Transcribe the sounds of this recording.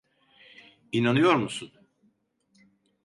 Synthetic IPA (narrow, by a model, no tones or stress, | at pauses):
inanɯjo̞ɾmusun